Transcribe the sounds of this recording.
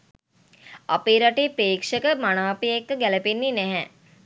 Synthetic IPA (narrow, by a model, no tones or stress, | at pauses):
apiɾaʈipeːkʂəkəmanaːpiekːəɡæləpenːinɛɦɛ